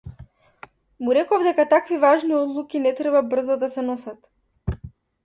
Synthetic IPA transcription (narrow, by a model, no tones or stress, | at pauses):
muɾɛkɔvd̪ɛkat̪akvivaʒniɔd̪lˠukʲinɛt̪ɾɛbabr̩zɔd̪asɛnɔsat̪